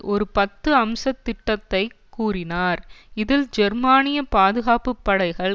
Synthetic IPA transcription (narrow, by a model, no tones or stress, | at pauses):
ʔɔɾɯpɐt̪ːɯɐmsɐt̪ːɪʈːɐt̪ːɐɪkːuːrɪnaːɾɪðɪld͡ʒɛɾmaːnɪjɐpaːðɯɣaːpɯpːɐɽɐɪɣɐɭ